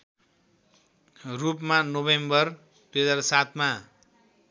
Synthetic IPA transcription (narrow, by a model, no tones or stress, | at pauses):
rupmanobembʌr | p̪ed͡zaɾsat̪ʰma